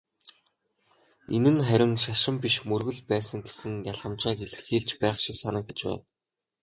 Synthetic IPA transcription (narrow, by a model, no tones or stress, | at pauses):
enɘ̆nχæɾʲɪ̆ŋʃaʃɪ̆mpiʃmɵrɣɵ̆ɮpæːsə̆ŋɡe̥sɘ̆ŋjaɮʁə̆mt͡ɕaːkeɮɘ̆xiːɮt͡ɕpæːχʃiksanə̆k̚ɡet͡ɕpæ̰ːt̪